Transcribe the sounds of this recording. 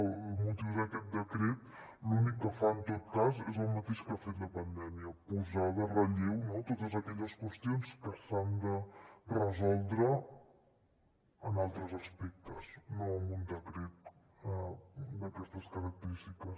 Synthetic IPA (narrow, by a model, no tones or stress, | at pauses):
mut̪iwzðəkɛt̪̚d̪əkɾet̪ | lunikːəfaənt̪ot̪̚kazezəlˠmət̪eʃkafet̪ləpənd̪ɛmiəpuzaðərəʎewnot̪ot̪əzəkɛʎəskwəst̪jonskəsand̪ərəzɔlˠd̪ɾə | nalˠt̪ɾəzəspɛk̚t̪əznoəmund̪əkɾet̪̚ | əd̪əkɛst̪əskəɾək̚t̪əɾist̪ikəs